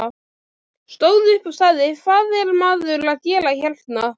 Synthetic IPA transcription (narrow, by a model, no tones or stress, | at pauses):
st̪oːwðɪʏhpavst̪aːðɪfvaːðɛɾmaːðʏɾlaðcɛːlaçɛlt̪na